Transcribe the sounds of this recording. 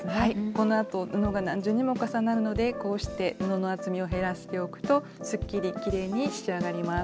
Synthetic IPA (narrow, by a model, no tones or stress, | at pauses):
haiko̞no̞at̪o̞nɯno̞ɡanãɲ̟d͡ʑɨːɲ̟imo̞kasanaɾɯ̟no̞d̪e̞ko̞ːɕi̥t̪e̞ɯno̞no̞at͡sɨmʲioɦe̞ɾasɨ̥t̪e̞o̞kɯ̟̥t̪o̞ | sɨkʲːiɾʲikʲiɾe̞ːɲ̟iɕi̥t͡ɕiaɡaɾʲimas